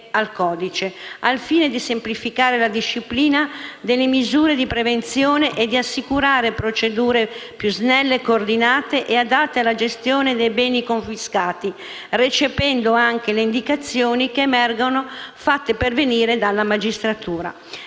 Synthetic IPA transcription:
alkɔːd̪it͡ʃealfiːned̪isemplifikaːɾelad̪iʃːipliːnad̪elːemizuːɾed̪ipɾevent̪sjoːneʔed̪iasːikuɾaːɾepɾot͡ʃed̪uːɾepjuznɛlːekoːrd̪inaːt̪eʔead̪at̪ːealad͡ʒest̪joːned̪ɛjbɛːnikoɱfiskaːt̪i | ret͡ʃepɛnd̪oaŋk̟eleind̪ikat̪sːjoːnikeːmɛrɡonofat̪ːeperveniːɾed̪alːamad͡ʒist̪ɾat̪uːɾa̰

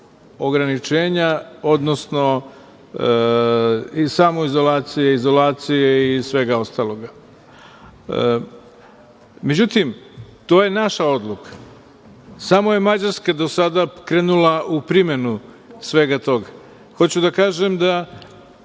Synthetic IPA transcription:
o̞ɡɾanit͡ʃe̞ːɲao̞d̪no̞sno̞ | isamo̞izo̞laːt̪sijeizo̞laːt̪sijeisʋe̞ɡao̞st̪aːlˠo̞ɡa | me̞d͡ʑut̪imt̪o̞ːje̞naʃao̞d̪lˠukʰḁ | samoje̞mad͡ʑaɾskad̪o̞sad̪akɾeːnulˠaupɾime̞nu | sʋe̞ɡat̪o̞ɡa | xo̞t͡ɕud̪akaːʒemd̪a

